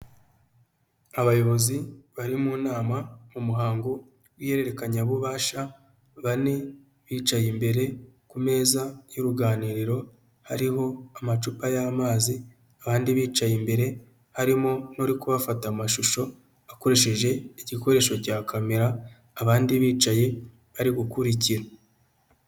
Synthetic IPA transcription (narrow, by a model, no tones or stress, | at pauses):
aβajo̞βo̞ziβaɾimuːnaːmamumuɦaːŋɡo̞ | wije̞ɾe̞ɾe̞kaɲaβuβaːʃa | βane | βiːt͡ʃajimbe̞ɾe̞kume̞ːzajoɾuɡaːniːɾiɾo̞ | haɾiɦo̞amat͡ʃupajaːmaːzi | aβaːndiβiːt͡ʃajimbe̞ɾe̞ | haɾimo̞noɾikuβafatamaʃuʃo̞ | ako̞ɾe̞ʃe̞ʒe̞iɟiko̞ɾe̞ːʃo̞caːkʰame̞ɾaː | βaːndiβiːt͡ʃaje̞ | βaɾiɡukuɾiciɾa